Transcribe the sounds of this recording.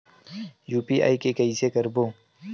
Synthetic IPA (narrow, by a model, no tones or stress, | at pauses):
juːpiːʔa̰ːikekɐiːsekəɾboː